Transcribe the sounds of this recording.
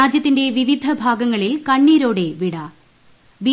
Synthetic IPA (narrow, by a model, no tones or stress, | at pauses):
aːd͡ʑjɐt̪ːinde̞ʋiʋid̪ʱɐbʱaːɡɐŋːɐɭilkɐɳːiːɾo̞ːɽe̞ʋiɽɐ | bi